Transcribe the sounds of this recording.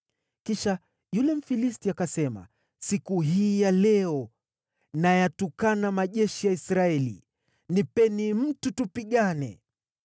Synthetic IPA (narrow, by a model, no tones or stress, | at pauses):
kiʃa | julɛm̩filistiakasɛma̰ | sikuɦiːjalɛɔ | najatukanamaʄɛʃijaisɾaɛlḭ | nipɛnim̩tutupiɠanɛ̰